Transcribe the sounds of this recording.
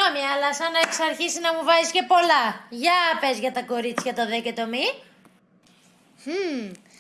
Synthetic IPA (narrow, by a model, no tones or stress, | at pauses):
omiɐlɐsɐnɐeksɐɾçisinɐmuvɐsisce̞po̞lɐʝɐpezʝɐt̪ɐko̞ɾit͡siçɐt̪ɐðecet̪omi